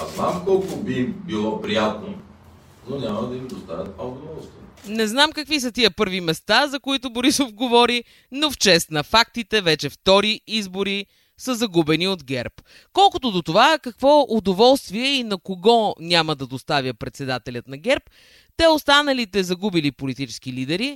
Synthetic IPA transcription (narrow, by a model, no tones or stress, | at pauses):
aznamkɔlˠkʊbibilˠɔpɾijat̪no | nonʲamɐd̪ɐimd̪ost̪avʲət̪̚pɐod̪ovɔlˠst̪viɛnɛznamkɐkvis̬ət̪iəpɤɾvimɛst̪azɐkoit̪ʊboɾisofɡovɔɾi | noft͡ʃɛst̪nɐfak̚t̪it̪ɛvɛt͡ʃɛft̪ɔɾiizboɾi | səzɐɡubɛniod̪ɡʲɛɾp | kɔlˠkʊt̪oʊd̪ot̪ovakɐkvɔʊd̪ovɔlˠst̪viɛinɐkoɡɔnʲamɐd̪ɐd̪ost̪avʲjəpɾɛt̪sɛd̪at̪ɛlʲət̪nɐɡɛɾp̚ | t̪ɛost̪anɐlit̪ɛzɐɡubilipolit̪it͡ʃɛ̥sk̟ilid̪ɛɾi